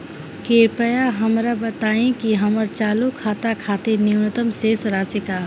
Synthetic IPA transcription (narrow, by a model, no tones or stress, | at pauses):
keɾpəjaɦəmɾabət̪aẽkiɦəməɾt͡ʃalukʰat̪akʰat̪eniwnut̪əmsesɾaseka